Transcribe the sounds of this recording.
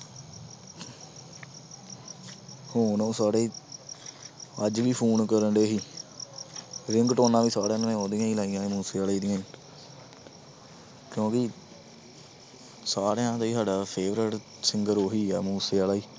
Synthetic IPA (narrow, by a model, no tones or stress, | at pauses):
hoːnõːsaːɽeː | əd͡ʒʋiːpʰoːnkəɾəɳɖeːɦiː | ɾɪŋɡʈoːnãːʋiːsaːɽeãːnnẽːoːd̪ɪjãːĩːlaːijãːẽmuːseːaːlaːiːd̪ɪjãːĩ | kjõːkɪ | saːɾejãːt̪aiːsaːɖaːpʰeːʋɾəʈ | sɪŋɡəɾoːɦiːɛ̰ːmuːseːaːlaːiː